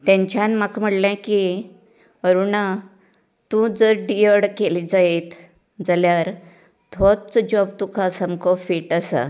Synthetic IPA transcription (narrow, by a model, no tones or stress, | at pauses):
t̪ɛ̃ɲt͡ɕanmakm̤əɽlãki | əɾuɳa | t̪ũd͡zəɾɖijəɽkelid͡zaet̪ | d͡zaljaɾ | d̪ʱɔt̪̚t͡sd͡ʑɔb̚t̪ukʰasəmkɔfiʈəsa̰